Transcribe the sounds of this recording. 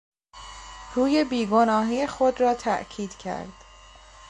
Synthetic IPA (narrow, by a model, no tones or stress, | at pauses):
ruːje̞biːɡo̞nɒːɦiːexo̞d̪rɒːt̪ʰæ̰ʔcʰiːd̪̥cʰæ̰ɾd̪̥